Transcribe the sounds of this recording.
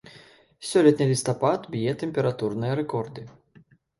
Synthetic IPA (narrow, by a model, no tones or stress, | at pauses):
sʲɔlʲɛt̪nɨlʲist̪ɐpat̪bʲjɛt̪ɛmpʲɛɾat̪urnɨjɐɾɛkɔrd̪ɨ